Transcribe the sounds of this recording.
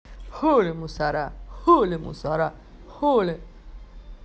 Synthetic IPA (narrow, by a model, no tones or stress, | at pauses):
holemusaɾaholemṵsaɾa | hole